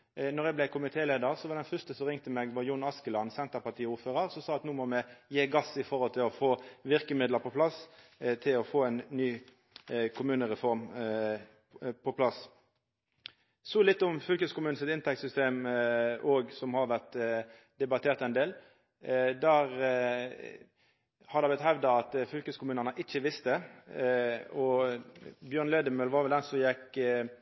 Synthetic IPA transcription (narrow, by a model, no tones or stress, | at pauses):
nɔʁjɛɡblɛkʰʊmɪt̪ʰeːleːd̪əʁsɔʋɑʁd̪ɛnfœʁst̪əsɔʁɪŋt̪əmɛɡʋɑjʊnːɑskəlɑnsɛnt̪əʁpɑʁt̪ʰiːuːɾføːʁəʁsɔmsɑːɑt̪nuːmɔmɛjeːɡɑsɪfɔʁhɔlt̪ʰɪlɔfoːʋɪʁkəmɪd̪ləʁpʰɔpʰlɑst̪ʰɪlɔfoːɛnnyː | kʰʊmʉːnəʁɛfɔʁm | pʰɔpʰlɑs | sɔlɪt̪ːɔmfʏlkəskʊmʉːn̩sɪt̪ɪnt̪ʰɛk̚t̪sʏst̪eːm | oːɡsɔmhɑɾʋæʁt̪ | d̪ɛbɑt̪ʰeːʁt̪ɛnd̪eːl | d̪æːʁ | hɑd̪ɑbɛt̪hæʋd̪ɑɑt̪fʏlkəskʊmʉːnəʁnəʔɪt͡ʃːəʋɪst̪ə | ɔ | bjøːʁnleːd̪əmøːlʋɑʁʋɛlænsɔjɛk